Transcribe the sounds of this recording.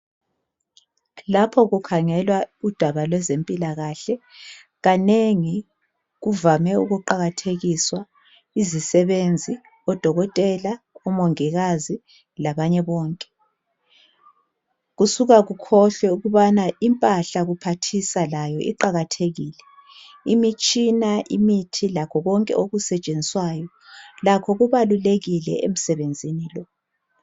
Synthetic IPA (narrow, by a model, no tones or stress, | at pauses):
lapʰɔɣukʰaŋɛlwaud̥ʱaβalwɛzempʼilaɣaɬɛ | ɣaneŋi | ɣuvamɛuɣuǃaɣatʰeɣiswa | izisɛβend͡zʱi | ɔd̥ʱɔɣɔtʼɛlaɔmoŋiɣazi | laβaɲɛβɔːŋkʼɛ̥ | ɣusuɣaɣukʰɔɬwɛuɣuβanaʔimpʼaɬaɣupʰatʰisalajɔʔḭǃaɣatʰeɣiːlɛ | imit͡ʃʼinaʔimitʰilakʰɔɣɔŋkʼɛ̰oɣusɛt͡ʃʼend͡zʱiswajɔ | lakʰɔɣuβaluleɣilɛ̰ḛm̩sɛβend͡zʱinilɔ